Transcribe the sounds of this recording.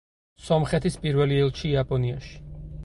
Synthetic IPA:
sɔmχɛt̪ʰispʼiɾvɛliɛlˠʃiapʼɔniaʃi̥

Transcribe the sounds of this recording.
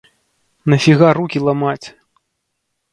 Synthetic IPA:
nɐfʲiɣarukʲilˠamat͡sʲ

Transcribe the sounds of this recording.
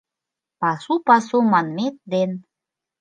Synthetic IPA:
pɑsupɑsumɑnmet̪̚d̪en

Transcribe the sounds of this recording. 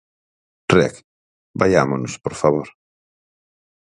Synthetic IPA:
rɛ̰k | bajamonospoɾfaβoɾ

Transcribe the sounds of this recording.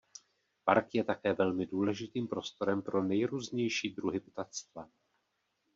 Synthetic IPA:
paɾkjɛt̪akɛːvɛlmɪduːlɛʒɪt̪iːmpɾo̞st̪o̞ɾɛmpɾo̞nɛjɾuːzɲɛjʃiːd̪ɾuɦɪpt̪at̪st̪va

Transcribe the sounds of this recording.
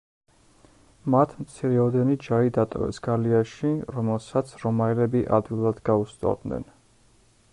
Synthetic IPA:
mat̪ʰmt̪sʰiɾɛɔd̪ɛnid͡ʒaid̪at̪ʼɔ̰vɛ̰sɡ̥aliaʃiɾɔmɛlˠsat̪sʰɾɔmaɛlɛbiʔa̰d̪wilˠad̪ɡaust̪ʼɔ̰vd̪nɛ̰n

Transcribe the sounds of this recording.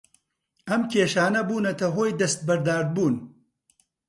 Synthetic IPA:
ɐmkʰʲeːʃaːnɐbuːnɐt̪ɐɦoːjd̪ɐst̪̚bɐɾd̪aːɾd̪̚buːn

